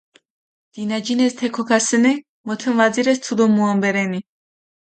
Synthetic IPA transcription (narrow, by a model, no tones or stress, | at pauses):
d̪̥inad͡ʒinɛst̪ʰɛkʰɔkʰasɛnɛ | mɔt̪ʰɛnvaziɾɛst̪ʰud̪ɔmuambɛɾɛni